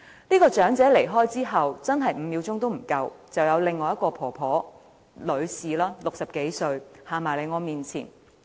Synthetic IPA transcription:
niː˥kɔː˧t͡ʃœː˨˥ŋt͡sɛː˨˥le˨˩jɦɔː˥jt͡siː˥ɦɐ˨wt͡sɐ˥nɦɐ˨jm̩ː˨˧miː˨˧wt͡sʊ˥ŋt̪o˥wm̩˨˩kɐ˧wt͡sɐ˨wjɐ˨˧wlɪ˨ŋːɔː˨˧jɐ˥t̚kɔː˧pʰɔː˨˩pʰɔː˨˥ | lɵ˨˧ɥsiː˨laː˥lʊ˨k̚sɐ˨p̚ke˨˥jsɵ˧ɥhaː˨˩maː˨˩jle˨˧ŋɔː˨˧miː˨nt͡sʰḭː˨˩n

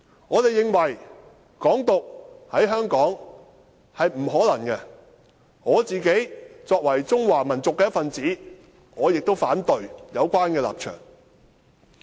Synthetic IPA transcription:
ŋɔː˨˧t̪e˨jɪ˨ŋwɐ˨˩j | kɔː˨˥ŋt̪ʊ˨k̚hɐ˨˥jɦœː˥ŋkɔː˨˥ŋ | hɐ˨jm̩˨˩ɦɔː˨˥lɐ˨˩ŋkɛ˧ | ŋɔː˨˧t͡siː˨ke˨˥jt͡sɔː˧k̚wɐ˨˩jt͡sʊ˥ŋwaː˨˩mɐ˨˩nt͡sʊ˨kːɛː˧˦jtfɐ˨nt͡siː˨˥ | ŋɔː˨˧jɪ˨k̚t̪o˥wfaː˨˥nt̪ɵ˨˧ɥjɐ˨˧wkʷaː˥nkɛː˧la̰ː˨p̚t͡ʃʰœ̰ː˨˩ŋ

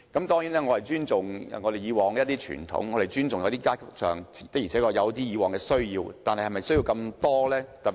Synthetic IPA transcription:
kɐ˨˧˥mt̪ɔː˥ŋji˨˥nɛː˥ŋɔː˨˧hɐ˨˩jt͡ʃyː˥nt͡sʊ˨ŋ˨ŋɔ˨˧d̪e˨jiː˨˧wɔː˨˩ŋkɛ˧˦jɐ˥t̪iː˥t͡ʃʰy̰ː˨˩nt̪ʰʊ̰˨˥ŋːɔː˨˧ɾe˨jt͡ʃyː˥nt͡sʊ˨ŋjɐ˨˧wt̪iː˥kaː˥kʰʊ˨˩k̚sœ̰ː˨ŋt͡sʰi˨˩t̪ɐ˥k̚i˨˩ɛː˨˥kɔː˧jɐ˨˧wt̪iː˥jiː˨˧wɔː˨ŋkɛː˧sɵ˥ɥjiː˧wt̪aː˨nhɐ˨jhjmɐ˨˩jsɵ˥ji˧wkɐ˧mt̪ɔː˥lɛː˥t̪ɐ˨p

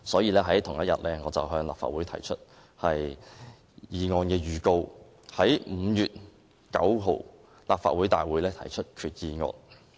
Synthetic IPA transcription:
sɔː˨˥jiː˧lɛː˥ɦɐ˨˥jt̪ʰʊ˨˩ŋjɐ˥t̚jɐ˨t̚lɛː˥ŋɔː˨˧t͡sɐ˨wɦœː˧ŋla̰ː˨pfa̰ː˨wuː˨˥jt̪ʰɐ˨˩jt͡ʃʰɵ˥t̚ | hɐ˨j | jiː˨˧ŋɔː˧nkɛː˧jyː˨ko˧w | hɐ˨˥jm̩ː˨˧jyː˨t̚ | kɐ˨˥wɦo˨w | laː˨p̚faː˨t̚wuː˨˥jt̪aː˨jwuː˨˥jlɛː˥t̪ʰɐ˨˩jt͡ʃʰɵ˥t̚kʰyː˨˩t̚jiː˨ŋɔ̰ː˧n

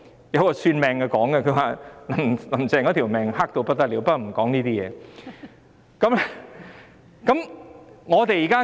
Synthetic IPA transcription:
jɐ˨˧wkɔː˧syː˧nmɛː˨˧ŋkɛ˧kɔː˨˥ŋɛ˧kʰɵ˨˧ɥwaː˨lɐ˨˩mlɐ˨˩mt͡sɛː˨˩ŋkɔː˨˧˥t̪ʰi˨˩wmɛː˨ŋhaː˥k̚t̪o˧wpɐ˥t̪̚ɐ˥t̚liː˨˧wpɐ˥kːɔ˨˩m̩˨˩kɔː˨˥ŋniː˥t̪iː˥jɛ̰ː˨˧ | kɐ˨˥m˧ | kɐ˨˥mŋɔː˨˧t̪e˨jiː˨˩kaː˥

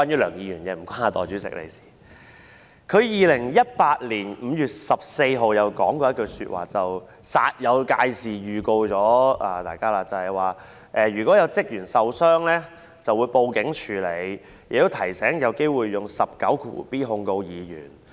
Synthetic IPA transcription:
kwaː˥njyː˨˥lœː˨˩ŋjiː˨˧jyː˨˩nkɛː˧m̩˨˩kʷaː˥naː˨˧t̪ɔ̰ː˨˩t͡ʃyː˨˥t͡sɪ̰˨k̚lḛ˨˧jsi̥ː˨˩ | kʰɵ˨˧ɥjiː˨lɪ˨˩ŋjɐ˥t̚paː˧t̚liː˨˩nm̩˨˧jyː˨˩t̚sɐ˨p̚se˧jɦo˨wjɐ˨˩wkɔː˨˥ŋkɔː˧jɐ˥kɵ˧sy̰ː˧t̚wa̰ː˨˩t͡sɐ˨w | sa̰ː˧t̚jɐ˨˧wkaː˧jsiː˨jyː˨˩ko˧wt͡sɔː˨˥aː˨˩t̪aː˨˩jkaː˥laː˧t͡sɐ˨˩hɐ˨jwaː˨ | ʔɛː˨˧ɥyː˨˩kʷɔː˨˥jɐ˨˧wt͡sɪ˥k̚jyː˨˩nsɐ˨wsœː˥ŋlɛː˥ | t͡sɐ˨wuː˨˧jpo˧wkɪ˨˥ŋt͡ʃʰyː˨˩le˨˧j | jɪ˨k̚t̪o˥wt̪ʰɐ˨˩jsɛː˨˥ŋjɐ˨˧wke˥jwuː˨jːʊ˨ŋsɐ˨p̚kɐ˨˥wkʰṵː˨˩piː˥ɦʊ˧ŋko˧wjiː˨˧jy̰ː˨˩n

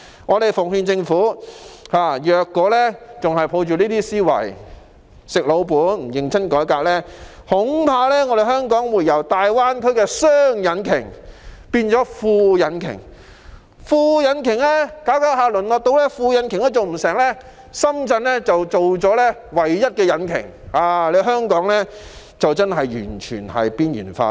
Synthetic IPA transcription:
ŋɔː˨˧ɾe˨jfʊ˨˩ŋhy˧nt͡sɪ˧ŋfuː˨˥haː˨jœː˨˧kːɔː˨˥lɛː˥t͡sʊ˨ŋɦɐ˨jpʰo˨˧wt͡ʃyː˨˩niː˥t̪iː˥siː˥wɐ̰˨˩j | sɪ˨k̚lo˨˧wpuː˨˥nm̩˩jɪ˨˩ŋt͡sʰɐ˥nkɔː˨˥jkaː˧k̚lɛː˥ | hʊ˨˥ŋpʰaː˧lɛː˥ŋɔː˧ɾe˨jɦœː˥ŋkɔː˨˥ŋmuː˨˩jɐ˨˩wt̪aː˨jwaː˥nkʰɵ˥kɛː˧sœː˥ŋjɐ˨˥nkʰɪ˨˩ŋpiː˧nt͡sɔː˨˥fuː˧jɐ˨˧˥nkʰɪ̰˨˩ŋ | fuː˧jɐ˨˧nkʰɪ˨˩ŋlɛː˥kaː˨˥wkaː˨˥wɦaː˨˧lɵ˨˩nlɔː˨k̚t̪o˧wlɛː˥fuː˧jɐ˨˧nkʰɪ˨˩ŋlɛː˥t͡so˨wm̩˨˩sɛː˨˩ŋlɛː˥ | sɐ˥mt͡sɐ˧nlɛː˥t͡sɐ˨wt͡so˨wt͡sɔː˨˥lɛː˥wɐ˨˩jjɐ˥t̚kɛː˧jɐ˨˧˥nkʰɪ̰˨˩ŋ | haː˨le˨˧ɦœː˥ŋkɔː˨˥ŋlɛː˥ | t͡sɐ˨wt͡sɐ˥nɦɐ˨jjy̰ː˨˩nt͡ʃʰy̰ː˨˩nhɐ̰˨jpiː˥njy̰ː˨˩nfa̰ː˧

